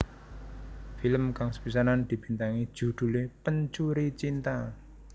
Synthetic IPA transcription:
filəmkaŋsə̥pis̬anand̪̥i̤b̥i̤nt̪aŋi̥ʒ̥ṳd̪̥ṳlepəɲt͡ʃuɾit͡ʃint̪a

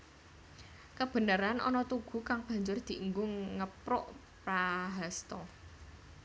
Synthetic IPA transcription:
kəb̥ə̤nəɾanʔɔ̰nɔt̪uɡ̥ṳkaŋb̥ä̤ɲd͡ʒʊrd̪̥i̤ʔŋɡʊŋŋəpɾʊʔ | pɾaɦast̪ɔ

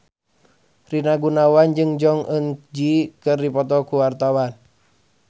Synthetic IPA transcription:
rinaɡunawand͡ʒɨŋd͡ʒɔŋənd͡ʒikɨrdipɔt̪ɔkuwart̪awan

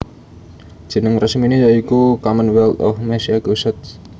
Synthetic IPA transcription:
d̥ʒ̥i̤nəŋrəsminejaikukamənwɛlt̪ɔ̰fmɛsiaɡusət̪̚

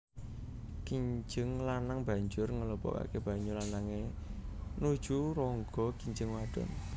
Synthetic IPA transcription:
kiɲd͡ʒəŋlanaŋba̤ɲd͡ʒʊrŋələpɔ̰ka̰keb̥a̤ɲd͡ʒʊrlanaŋe | nu̥ʒ̥uɾɔŋɡɔkiɲd͡ʒəŋwaɖ̥ɔ̰n

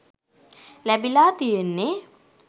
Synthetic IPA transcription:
læbilaːt̪ijenːe

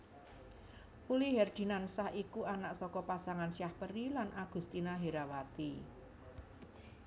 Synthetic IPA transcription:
puliɦɛrd̪̥i̤nansahikuanaʔsɔkɔpasaŋansjahpəɾilanʔaɡ̥ṳst̪inaɦeɾawat̪i

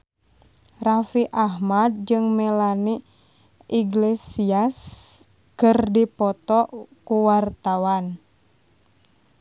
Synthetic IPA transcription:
rafiʔaɦmad̚d͡ʒɨŋmɛlani | ʔiɡlesias | kɨrdipɔt̪ɔkuwart̪awan

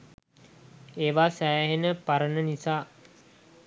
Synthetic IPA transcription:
eːʋaːsæːɦenəpaɾənənisaː

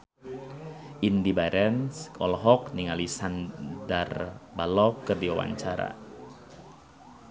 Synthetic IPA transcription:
ʔindibaɾɛnskɔlɦɔk̚niŋalisandarbalɔkːərdiwawa̰ɲt͡ʃaɾa̰

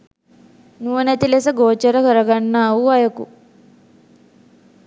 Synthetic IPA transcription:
nuːɐnɐt̪ilesɐɡoːt͡ʃɐɾɐkɐɾɐɡɐɳːaːuɐjɐkṵ

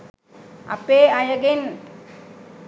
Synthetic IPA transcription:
a̰peːɐjəɡen

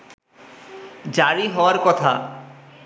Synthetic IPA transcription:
d͡ʑaɾiɦɔoaɾkɔt̪ʰa̰

